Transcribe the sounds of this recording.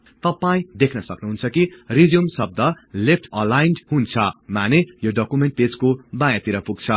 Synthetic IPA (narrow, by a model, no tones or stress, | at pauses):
t̪ʌpaĩd̪ekʰnʌsʌknuɦunt͡sʰʌkirid͡zumsʌb̚d̪ʌ | lep̚ʰʈʰʌlajnɖhunt͡sʰʌmanejoɖʌkumeɳʈ̚ped͡zkobãjat̪iɾʌpuɡ̚t͡sʰʌ